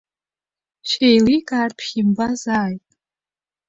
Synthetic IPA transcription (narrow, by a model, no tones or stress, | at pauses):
ʃejlikʼaːrpʰimbazaːjtʼ